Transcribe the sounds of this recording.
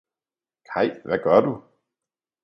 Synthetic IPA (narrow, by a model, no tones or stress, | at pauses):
kʰɑ̈ɪ̰ʋæɡ̥ɶɐd̥u